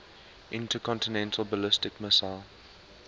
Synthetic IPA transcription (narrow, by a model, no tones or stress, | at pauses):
ʔɪ̃ntəkʰɔ̃ntɪnɛ̃ntʰəlˠbəlɪstɪkməsalˠ